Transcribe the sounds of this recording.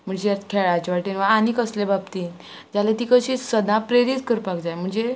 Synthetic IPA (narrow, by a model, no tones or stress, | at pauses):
m̤əɳd͡zejakʰɛɭat͡ɕʋaʈinʋaanikəslebabt̪iː | d͡zalet̪ikəɕisəd̪ʱãpɾeɾit̪kəɾpakd͡zajm̤əɳd͡ze